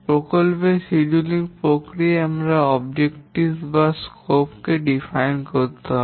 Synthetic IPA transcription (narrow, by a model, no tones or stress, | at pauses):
pɾokolpeʃid͡ʒuliŋpɾokɾieamɾaɔbd͡ʑekʈisbaskopkeɖifajnkoɾt̪eɦ